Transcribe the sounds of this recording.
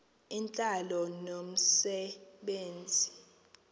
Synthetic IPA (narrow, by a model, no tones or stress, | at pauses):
int͡ɬʼalɔnom̩sɛɓeːnd͡zʱi